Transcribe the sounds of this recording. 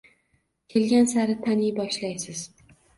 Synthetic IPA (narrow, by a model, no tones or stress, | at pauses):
kʲʰe̞lɡʲansaɾɪt̪ʰanijbɒʃlajsɪz̥